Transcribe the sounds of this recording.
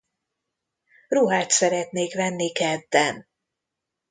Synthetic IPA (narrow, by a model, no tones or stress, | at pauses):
ruɦaːt̪sɛɾɛt̪neːkvɛnːikɛd̪ːɛn